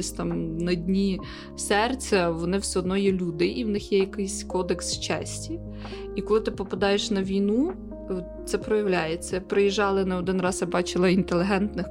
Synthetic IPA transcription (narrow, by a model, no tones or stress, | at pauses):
ɪsʲt̪ɑmnɐdʲnʲi | sɛrt͡sʲɐʋɔnɪwsʲɛɔd̪nɔjɛlʲud̪ɪʔiwnɪxjɛjɐkɪjsʲkɔd̪eksʃt͡ʃɛ̰sʲtʲi | ikɔlˠɪt̪ɪpɔpɐd̪ɑjeʃnɐʋʲijnu | t̪sɛpɾɔjɐwlʲajet͡sʲːɐpɾɪjiʒɑlˠɪnɛɔd̪ɪnrɑsjabɑt͡ʃɪlˠɐint̪elʲɪɦɛnt̪nɪx